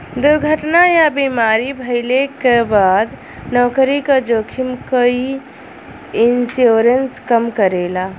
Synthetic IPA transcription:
d̪uɾɡʱəʈnajabimaːɾibʱəɪlekebaːd̪ | nɔːkəɾikad͡ʒoːkʰimkəi | insjoːɾənskəmkəɾela

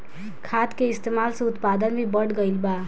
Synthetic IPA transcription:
kʰat̪keist̪emalsʌ̃ut̪pad̪ənbʱibʌɽɡʌjlba

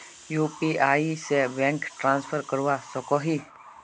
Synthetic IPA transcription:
juːpiaːisebɛ̃ːŋkʈɾãːnspʰəɾkəɾʋasɔkɔɦi

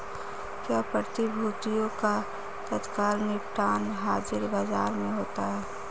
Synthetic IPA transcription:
kjaːpɾət̪ibʱuːt̪ijõka | t̪ət̪kaːlniʈaːnɦaːd͡ʒɪɾbaːzaːɾmẽɦoːt̪aɦɛː

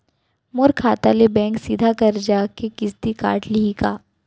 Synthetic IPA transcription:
mʊɾkʰaːt̪alebɛ̃ːŋksiːd̪ʱakɐɾd͡ʒaːkekɪst̪ika̰ːʈʰliikaː

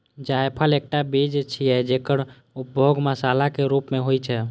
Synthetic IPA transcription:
d͡ʒaːjpʰəleːk̚ʈabid͡ʒt͡ʃʰiɛd͡ʒeːkəɽ | ʊp̚bʱoːɡməsaːlakeɾuːpmẽɦoit͡ʃʰɛ

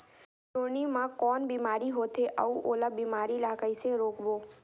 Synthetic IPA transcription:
ʈonimãkɔːnbimaɾiɦot̪eʔəuʔolabimaɾilaːkaiseɾoːkʋo

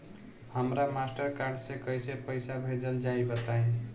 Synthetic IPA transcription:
həmɾamasʈʌɾkaɾɖsekʌjsepəjsabʱed͡ʒʌld͡ʒaibʌt̪aĩ

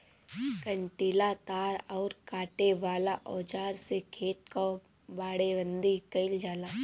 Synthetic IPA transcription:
kəɳʈilat̪aːɾɔːɾkaːʈeʋaːlaʔɔːd͡ʒaːɾsekʰeːʈ̪̚ka | baːɽeʋə̃nd̪ikɐɪld͡ʒaːlaː

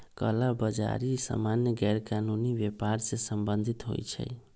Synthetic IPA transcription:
kəlabəd͡ʒa̰ɾisa̰manjəɡɛɾkanunibjepaɾsẽsəmbənd̪ʱit̪ɦo̰jt͡ʃʰə̰j

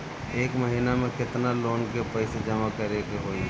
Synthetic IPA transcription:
eːkməɦinamẽkɪt̪naloːnkepəɪsed͡ʒəmakəɾekeɦoːi

